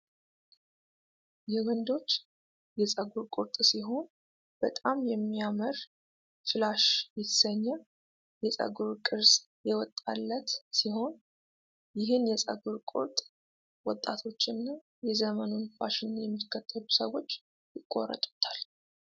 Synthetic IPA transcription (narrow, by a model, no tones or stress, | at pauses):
jɛwənd̪o̞t͡ʃː | jɛsʼəɡuɾkʼʊɾt̪ʼsiɦo̞n | b̥ət̪ʼamjɛmːiaməɾ | fɨlaʃjɪt̪səɲːə | jɛsʼə̰ɡuɾkʼɨɾs | jɛwɔt̪ʼːa̰lːət̪siho̞n | jɪɦɨnjɛsʼə̰ɡuɾkʼʊ̰ɾt̪ʼ | wɔt̪ʼːat̪ʰo̞t͡ʃːɪnːa | jɛzəmənunfaʃɪnjɛmːikʰːət̪ʰːəlusəwo̞t͡ʃː | jɪkʼːo̞̰rə̰t̪ʼu̥t̪ʰal